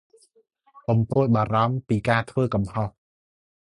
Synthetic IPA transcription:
ɓɑmpoəl̚ɓaːɾɑmpiːkaːt̪ʰʋəːkɑmhoh

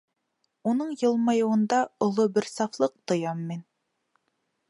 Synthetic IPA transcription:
unɤɴjɤ̆lˠmɑjuwɤ̆nd̪ɑolˠobɘɾsɑflˠɤq̚t̪ŏjɑmːin

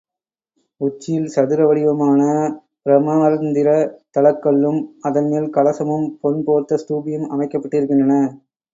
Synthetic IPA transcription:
ʊt͡ʃːɪjɪlsɐðɯɾɐʋɐɭɪʋɐmaːnɐ | pɾɐmɐaɾɐnd̪ɪɾɐt̪ɐɭɐkːɐɭːɯmɐðɐnmeːlkɐɭɐsɐmɯmpɔnpoːɾt̪ɐst̪uːbɪjɯmɐmɐɪkːɐpːɐʈːɪɾɯk̬ːɪndrɐnɐ

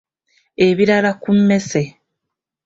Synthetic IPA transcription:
eβiɾalakum̩ːe̞se

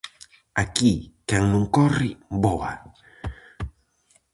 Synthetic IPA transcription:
akikaŋnõŋkɔribɔa

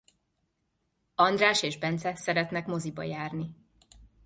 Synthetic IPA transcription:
ɒnd̪raːʃeːʒbɛnt̪sɛsɛɾɛt̪nɛkmo̞zibɒ̰jaːrni

